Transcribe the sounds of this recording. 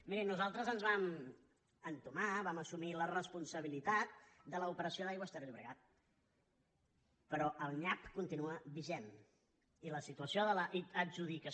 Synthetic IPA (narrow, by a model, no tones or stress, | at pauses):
miɾinuzalˠt̪ɾəzənzβam | ənt̪umaβaməsumilərəspunsəβilit̪at̪̚d̪ələupəɾəsioðajwaəst̪eɾʎuβɾəɣat̪̚ | pəɾɔʔəlˠɲapkunt̪inuəβiʒen | iləsit̪uəsijoðələʔiəʒuðikə